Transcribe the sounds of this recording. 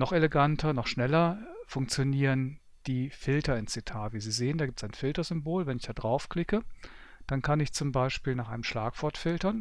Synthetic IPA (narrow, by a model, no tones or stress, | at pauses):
nɔχeleɡantʰɐnɔχʃnɛlɐfʊŋk̚t͡sjoniːʁən | d̥iːfɪltɐɪnt͡sɪtʰaːviːziːzeːəndaːɡiːp̚tsaɪnfɪltɐzʏmboːlvɛnɪçd̥aːdʁaʊfkl̥ɪkəd̥ankʰanɪçt͡sʊmbaɪʃpiːlnaːχʔaɪnəmʃlaːkv̥ɔɐtfɪltɐn